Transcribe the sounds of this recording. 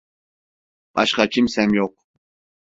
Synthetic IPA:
b̥ɑʃqɑt͡ʃʰimsɛmjoq̚

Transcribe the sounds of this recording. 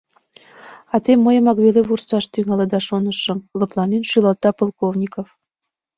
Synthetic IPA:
ɑt̪emːəjə̆mɑkβeleβursɑʃt̪yŋɑlə̆d̪ɑʃonəʃɤ̆mlɤ̆plˠɑnenʃylɑlt̪ɑpolˠkovnʲikof

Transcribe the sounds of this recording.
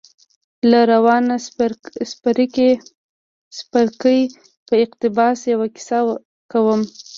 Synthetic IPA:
laɾawɑnaspaɾike | spaɾkəj | pəɪqt̪ɪbɑsjawaki̥sa | kawəm

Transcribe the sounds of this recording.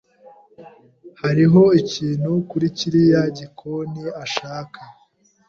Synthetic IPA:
haɾiɦo̞iciːn̤̥hukuɾiciɾijaɟikʰoniaʃaːka

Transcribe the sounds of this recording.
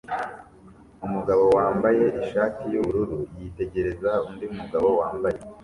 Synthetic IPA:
umuɡaβo̞waːmbaje̞ʔiʃaːtijuβuɾuɾujite̞ɟe̞ɾe̞zaundiumuɡaβo̞waːmbaje

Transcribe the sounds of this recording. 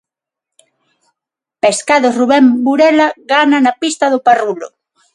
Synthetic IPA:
peskaðoruβembuɾelaɣananapist̪aðoparulo̰

